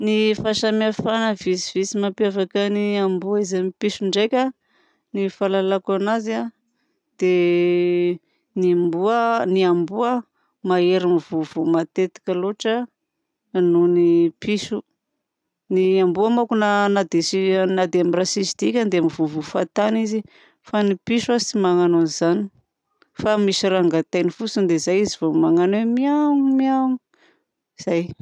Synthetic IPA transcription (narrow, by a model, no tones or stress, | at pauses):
nifaʃamiafanəvisiv̥isimapjavakəniambuaizamipisuɳɖ͡ʐejkʲə | nifalalakanaza | d̪̥e | niambuəniambuə | maeɾimivuvumat̪et̪ḁkʲaloʈ͡ʂə | nunipisu | niambuamakunanad̪esinad̪eamirasisid̪̥ikʲand̪eamivuvufat̪anizi | fanipisuazit͡simaŋanonizani̥ | famisiɾaŋɡat̪ajnifut͡sund̪ezajizivomaŋanomiauŋimiaŋi | iz̥aj